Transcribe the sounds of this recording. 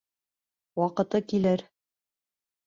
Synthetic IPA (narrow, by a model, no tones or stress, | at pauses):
wɑqɤ̆t̪ɤkilɘɾ